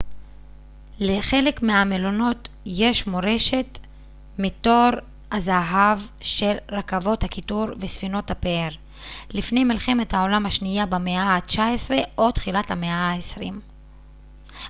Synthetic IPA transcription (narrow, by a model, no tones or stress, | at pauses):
le̞χe̞le̞kmeamelono̞t | je̞ʃmo̞ʁe̞ʃe̞t | mito̞ʁ | azaɦavʃe̞lʁakavo̞thakituɾvesfino̞thapeeʁ | lifne̞jmilχe̞me̞thao̞lamhaʃnijabemeat͡ʃaesʁeo̞t̪χilathameaaesʁim